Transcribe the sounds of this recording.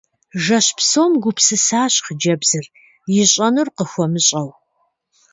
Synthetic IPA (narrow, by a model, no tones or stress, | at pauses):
ʒɐɕpsomɡʷʊpʰsɨsaːɕχəd͡ʒɐbz̥ɨr | jɪɕʼɐnurqəxʷɔmɨɕʼɐw